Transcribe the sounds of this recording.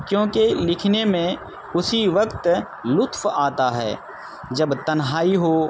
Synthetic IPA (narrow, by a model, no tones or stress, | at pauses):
kjõːkelɪkʰnemẽ | ʊsiʋɐkt̪ | lʊt̪faːt̪aɦɛ̰ː | d͡ʒɐbt̪ɐnɦaːiɦoː